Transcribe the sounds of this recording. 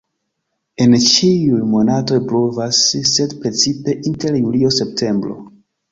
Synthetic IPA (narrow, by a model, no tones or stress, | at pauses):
e̞nt͡ʃiujmo̞nato̞jplovasːe̞dpɾe̞t͡sipe̞ʔinte̞ɾjulio̞se̞p̚tʰe̞mbɾo̞̰